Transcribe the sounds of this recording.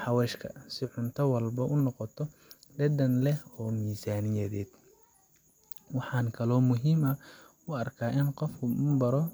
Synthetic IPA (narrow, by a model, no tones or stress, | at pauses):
ħɑwɛːʃkʰɐsɪʕʊnt̪ʰɐwɐlbɐʔʊnɔqɔt̪ʰɔɖɛdɐnlɛhɔːmiːsaːnɪjɐðɛːd̪ | wɑħɑːŋkʰɐlɔːmʊɦiːmɐ | ʊɐrkʰaːʔɪnqɔfkʰʊmmbɐɾɔ